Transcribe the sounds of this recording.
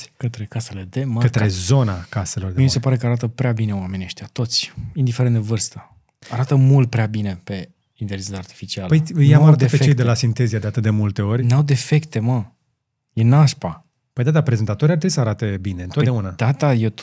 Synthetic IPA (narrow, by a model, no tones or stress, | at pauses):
kət̪ɾe̞kase̞le̞d̪e̞makət̪ɾe̞zo̞nakaselo̞rd̪emimisepaɾe̞kəaɾat̪əpɾeabine̞wame̞nʲieʃt̪jat̪o̞t̪sʲind̪ifeɾend̪evɨrst̪ə | aɾat̪əmult̪̚pɾeabine̞pe̞ | invezit̪art̪i̥fit͡ʃialpəjjeamaɾat̪əepet͡ʃejd̪elasint̪e̞ziad̪e̞at̪ɨt̪̚d̪e̞mult̪e̞o̞rʲnawd̪e̞fe̞kt̪e̞mə | jenaʃpa | pəjd̪ad̪apɾe̞zet̪at̪o̞ɾʲijart̪ɾebisəaɾat̪e̞bine̞not̪d̪aunad̪at̪aje